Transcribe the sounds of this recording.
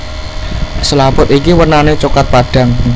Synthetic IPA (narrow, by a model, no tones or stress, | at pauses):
səlapʊt̪ikiwərnanet͡ʃukat̪̚paɖ̥a̤ŋ